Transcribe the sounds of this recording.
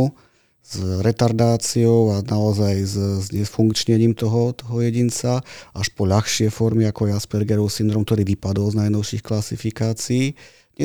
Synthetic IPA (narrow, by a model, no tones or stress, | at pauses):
u | z̥ɾɛt̪aɾd̪aːt͡siɔʊanaɔzajzzɲɛfuŋkt͡ʃɲɛɲiːmt̪ɔɦɔt̪ɔɦɔjɛɟint͡saaʃpɔʎaxʃɪɛfɔɾmiakɔaspɛɾɡɛɾɔʊsind̪ɾɔːmkt̪ɔɾiːʋipad̪ɔlznajnɔʊʃixklasifikaːt͡siiː | ɲɛ